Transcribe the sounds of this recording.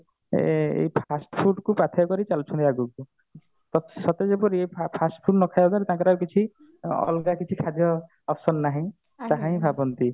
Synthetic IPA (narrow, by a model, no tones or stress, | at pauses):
ḛipʰasʈpʰuʈkupat̪ʰjɔkɔɾit͡ʃalt͡ʃʰɔ̃nt̪iaɡuku | t̪ɔsɔt̪ed͡ʒepɔɾieppʰasʈpʰuʈnɔkʰajbt̪ʰaɾet̪ãkɔɾaɾkit͡ʃʰi | ɔ̰lɡakit͡ʃʰikʰad̪ʱjɔ | ɔpʰsɔnːaɦĩ | t̪aɦãĩbʱabɔnt̪i